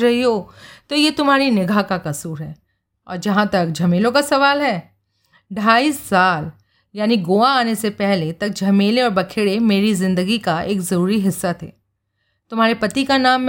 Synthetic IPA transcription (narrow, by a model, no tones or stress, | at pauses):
ɾɐɦiɦoːt̪ojet̪ʊmɦaːɾinɪɡʱakakɐsuːɾɦɛː | ɔ̰ːɾd͡ʒɐɦãt̪ɐkd͡ʒʱɐmeːlõkasɐʋaːlɦɛː | ɖʱaːiːsːaːl | jaːniɡoːaaːnesepɛɦlet̪ɐk̚d͡ʒʱɐmeːleɔːɾbɐkʰeːɽemeːɾizɪ̃nd̪əɡikaeːkzɐɾuːɾiɦɪsːat̪ʰḛː | t̪ʊmɦaːɾepɐt̪ikanaːmː